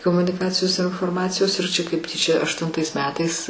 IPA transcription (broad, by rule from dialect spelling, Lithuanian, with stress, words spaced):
koːmʊnʲɪˈkɑːt͡sʲɪjoːs ɪr ɪnfoːrˈmɑːt͡sʲɪjoːs ɪr t͡ʃʲɛ kɐɪp ˈtʲiːt͡ʃʲɛ ɐʃtʊnˈtɐɪs ˈmʲæːtɐɪs